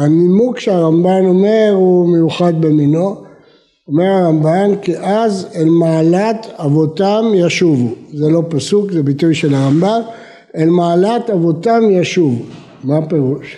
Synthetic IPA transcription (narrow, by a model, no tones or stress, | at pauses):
animukʃeaʁambano̞me̞ʁhume̞juχad̪be̞mino | ome̞ʁaʁambankiʔazelmaːlat̪avo̞tamjaʃuvuzelo̞pasukzebitujʃelaʁamban | elmaːlat̪avo̞tamjaʃuvu | mape̞ʁuʃ